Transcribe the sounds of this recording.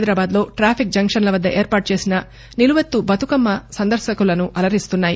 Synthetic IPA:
jd̪ɾaːbaːd̪lo̞ːʈɾaːpʰik̚d͡ʒɐŋkʂɐnlɐʋɐd̪ːɐʔeːɾpaːʈ̚t͡ʃe̞ːsinɐ | niluʋɐt̪ːubɐt̪ukɐmːɐsɐnd̪ɐɾʃɐkulɐnuʔɐlɐɾist̪unːaːji

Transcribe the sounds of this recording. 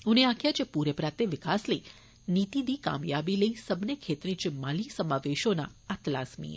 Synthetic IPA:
ũneãkʰjat͡ʃepuɾepɾat̪eʋɪkasləi | nit̪id̪ika̰mjabiləisəbnekʰet̪ɾĩt͡ʃɪmːalisəmaʋeʃona̰at̪laːsmḭḛ

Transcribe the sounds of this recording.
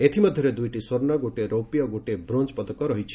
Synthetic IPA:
et̪ʰimɔd̪ʱjɔɾed̪ujʈisoɾnɔɡoʈeɾowpijɔɡoʈebɾond͡ʒpɔd̪ɔkɔɾɔɦit͡ʃʰi̥

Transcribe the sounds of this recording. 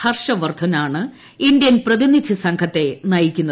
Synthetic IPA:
ɐrʂɐʋɐrd̪ʰʱɐnaːɳɨ | ind̪jɐnprɐðinit͡ɕʰːɐsɐŋkʰɐt̪ːe̞nɐjikʲːunːɐ

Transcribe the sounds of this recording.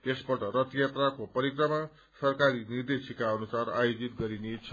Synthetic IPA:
esbʌʈʌɾʌt̪jat̪rakopʌɾikrʌma | sʌrkaɾinird̪esikaʌnusara̰jod͡zit̪̚ɡʌɾinet͡sʰʌ

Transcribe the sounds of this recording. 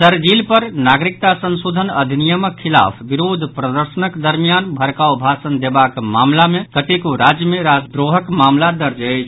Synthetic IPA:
səɾd͡ʒilpəɾnaɡɾik̚t̪asənsod̪ʱənəd̪ʱinijəməkkʰːila̰pʰbiɾod̪ʱpɾəd̪əɾsənəkd̪əɾmijanbʱəɾkaobʱasənd̪ebakmamlamekət̪ekoɾad͡ʒjəmeɾad̪ɾoɦəkmamlad̪əɾd͡ʒəɪt͡ʃʰ

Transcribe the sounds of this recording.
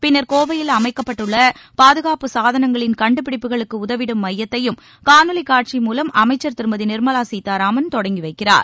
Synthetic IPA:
pɪnːɐɾkoːʋɐjɪlɐmɐɪkːɐpːɐʈːɯɭːɐpaːðɯɣaːpɯsaːðɐnɐŋɡɐɭɪnkɐɳɖɯp̬ɪɽɪpːɯɣɐɭɯkːɯʊðɐʋɪɽɯmːɐjːɐt̪ːɐjɯm | kaːnɯlɐɪkːaːʈ̚t͡ʃimuːlɐmɐmɐɪt͡ʃːɐɾt̪ɪɾɯmɐðinɪɾmɐlaːsiːt̪ːaːɾaːmɐnt̪ɔɽɐŋɡɪʋɐɪkːɪra̰ːɾ

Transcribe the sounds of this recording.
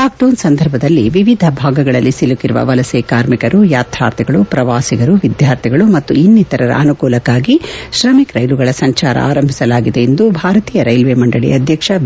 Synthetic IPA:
laːk̚ʈoːnsɐnd̪ʱɐɾbʱɐd̪ɐlːiʋiʋid̪ʱɐbʱaːɡɐɡɐɭɐlːisilukiɾuʋɐ̰ʋɐlɐseːkaːɾmikɐɾujaːt̪ʰɾa̰ːɾt̪ʰiɡɐɭupɾɐʋaːsiɡɐɾuʋid̪jaːɾt̪ʰiɡɐɭumɐt̪ːuinːit̪ɐɾɐɾɐ̰ɐnukuːlɐkːaːɡiʃɾɐmikɾɐjluɡɐɭɐsɐɲt͡ʃaːɾɐ̰ʔa̰ːɾɐmbʱisɐlaːɡid̪e̞end̪ubʱaːɾɐt̪iːjɐɾɐjlʋeːmɐɳɖɐɭḭɐd̪ʱjɐkʂɐ

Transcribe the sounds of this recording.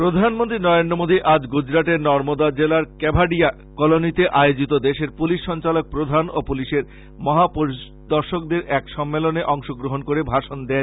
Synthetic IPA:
pɾod̪ʱanmont̪ɾinɔɾend̪ɾomod̪ʱiʔad͡ʑɡud͡ʑɾaʈeɾnɔɾmod̪ad͡ʑelaɾkɛbʱaɖia | kɔlonit̪eʔajod͡ʑit̪od̪eʃeɾpuliʃːɔnt͡ɕalok̚pɾod̪ʱanopuliʃeɾ | mɔɦapoɾi | d̪ɔɾʃok̚d̪eɾʔɛkʃɔmːeloneʔɔŋʃoɡɾoɦonkoɾebʱaʃond̪e

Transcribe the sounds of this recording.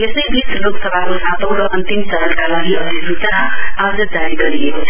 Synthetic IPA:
jesʌjbisloksʌbʱakosãt̪ʌwɽʌʔʌnt̪imsʌɾənkalaɡiʔʌd̪ʱisut͡snaad͡zʌd͡zaɾiɡʌɾiekot͡sʰʌ

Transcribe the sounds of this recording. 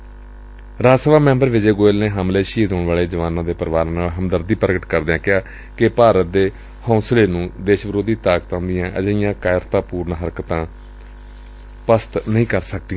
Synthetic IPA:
ɾaːd͡ʒsəʋaːmɛ̃ːmbəɾʋɪd͡ʒeːɡoːɪlneːɦəmleːʃiːd̪oːɳʋaːɭeːd͡ʒəʋaːnãːd̪eːpəɾʋaːɾnaːlɦəmd̪əɾd̪iːpəɾɡəʈkəɾd̪eãːkɪaː | kɪpaːɾət̪̚d̪eː | hõːsleːnũːd̪eːʃʋɾoːd̪iːt̪aːkt̪ãːd̪ɪjãːʔə̰d͡ʒəɪjãːkaːɪɾt̪ãːpuːɾnɦəɾkt̪ãː | pəst̪nəĩːkəɾsək̚d̪ĩ

